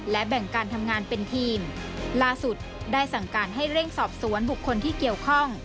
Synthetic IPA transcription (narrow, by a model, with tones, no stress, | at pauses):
lɛ˦˥bɛ˨˩ŋkaː˧nt̪ʰa˧mŋaː˧npe˧nt̪ʰiː˧m | laː˥˩su˨˩t̪̚ | daː˥˩jsa˨˩ŋkaː˧˩n̚ɦa˥˩jɾe˥˩ŋsɔː˨˩p̚su˩˦ənbu˨˩kʰːo˧nt̪ʰiː˥˩ki˨˩əwkʰɔ˥˩ŋ